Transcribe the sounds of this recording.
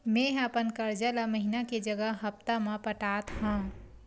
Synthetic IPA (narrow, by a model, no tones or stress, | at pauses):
mẽɦapənkəɾd͡ʒəlaməɦinaked͡ʒəɡəɦɦɐpt̪amãpəʈaːt̪ɦã